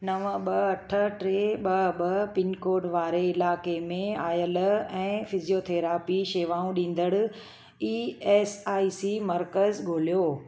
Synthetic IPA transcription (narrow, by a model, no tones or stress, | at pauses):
nɐʋəɓɐɐʈʰə̆ʈɾeːɓɐɓɐpɪnkoːɖʋaːɾeɪlaːkemẽaːjəlɛ̃ːfɪzijoːt̪ʰeːɾaːpiʃeːʋaːũɗĩːn̆d̪əɽʊ̆ | iːeːsaːisimɐɾkəzɡʱoːlijoː